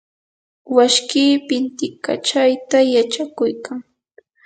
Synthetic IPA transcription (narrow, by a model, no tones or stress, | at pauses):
waʃkiːpɪnt̪ɪka̰t͡ʃajt̪ajat͡ʃakʊjkaŋ